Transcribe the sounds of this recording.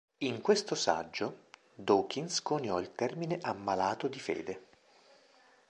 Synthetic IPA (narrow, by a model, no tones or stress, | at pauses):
iŋkwest̪osa̰d͡ʒːo | d̪oːkinskonjɔilt̪ɛrmineʔamːalaːt̪od̪ifḛːd̪e